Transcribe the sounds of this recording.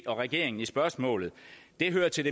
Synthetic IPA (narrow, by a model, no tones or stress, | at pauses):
ɒ̽ʁɛɡ̥e̝ːɐeŋn̩isb̥ɶɐsmɔ̰̽ːlð̩ˠ | d̥e̝ɦøːɐt͡sʰeld̥e